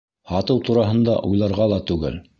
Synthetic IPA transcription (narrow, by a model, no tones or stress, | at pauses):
hɑt̪ɤwt̪uɾɑɦɤ̆nd̪ɑʔujlˠɑɾʁɑlˠɑt̪ʉɡɘ̰l